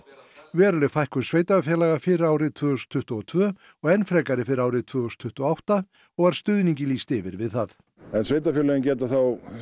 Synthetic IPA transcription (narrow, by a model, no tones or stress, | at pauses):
vɛːɾʏlɛɣfajhkʏnsveːjt̪afjɛlaɣafɪɾaːwɾɪðt̪ʰvœːhust̪ʰːʏht̪ʏɔt̪ʰvœː | ɔɣɛnfɾɛkaɾɪfɪɾɪɾaːwɾɪðt̪ʰvœːust̪ʰʏht̪ʏɔawht̪a | ɔɣvaɾ̥st̪ʏðniɲcɪliːst̪ɪvɪɾvɪðθaθ | ɛnsveːjt̪afjɛlaɣɪncɛːt̪aθaw